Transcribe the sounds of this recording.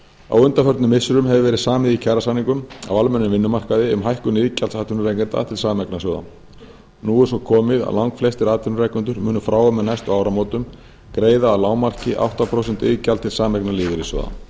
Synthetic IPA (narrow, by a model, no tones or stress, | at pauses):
a̰wʏnt̪afœɾt̪nʏmːɪsʏɾʏmɦɛvɪvɛːɾɪðsaːmɪðicʰɛɾasaniŋkʏma̰walmɛnːʏmvɪnːʏmar̥kaðɪʏmɦajhkʏnɪðcalsaːt̪ʰʏnʏɾrejkɛnt̪a̰t̪ʰɪlsaːmɛknasjɔwða̰ | nuːɣʏsɔkʰɔːmɪða̰lawŋkflɛst̪ɪɾaːt̪ʰʏnʏrajknʏnt̪ʏɾmʏːnʏfɾaːwamɛðnajst̪ɔɣaːwɾamoːwt̪ʏm | kɾeːjðaːlaːwmar̥cɪʔa̰wht̪apʰɾowsɛn̥t̪ɪːðcalt̪ʰɪlsaːmɛknaliːðʏɾisjɔ̰wða̰